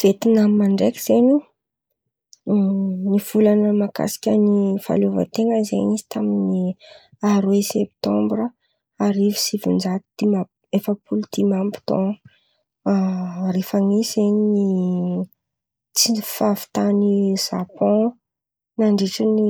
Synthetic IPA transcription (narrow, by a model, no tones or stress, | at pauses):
v̥et̪inammaɳɖ͡ʐekʲi̥z̥eɲu | niv̥ulanəmaka̰si̥kʲənifa̰lovə̰t̪eŋəizeɲizi̥t̪amini | aɾwesep̚t̪ɔ̃mbɾə | aɾivi̥sivund͡zat̪d̪̥ima | efəpulud̪̥imambi̥t̪ɔ̰̃ | refaŋizzeɲni | t͡sifavi̥t̪aniz̥a̰pɔ̃ | naɳɖ͡ʐeʈ͡ʂəni